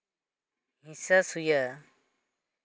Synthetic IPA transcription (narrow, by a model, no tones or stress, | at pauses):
ɦisasuja